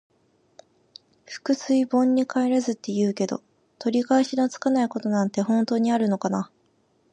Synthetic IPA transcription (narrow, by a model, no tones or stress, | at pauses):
ɸɯ̟̥kɯ̟sɨibõ̞ɲ̟ːikaeɾazɨt̪ːe̞jɯ̟ːke̞d̪o̞̰ | t̪o̞ɾʲikaeɕinot͡sɨ̥kanaiko̞t̪o̞nãnt̪e̞hõ̞nt̪o̞ːɲ̟iaɾɯ̟no̞kana